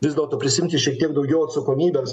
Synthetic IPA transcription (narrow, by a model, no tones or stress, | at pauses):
ʋʲɪzd̪ʲɛlˠt̪oːpʲɾʲɪsʲɪɪmʲt̪ʲɪʃʲiɛk̚t̪ʲiɛɡd̪ɐʊɡʲɛʊɐt̪sɐkoːmʲiːbʲɛms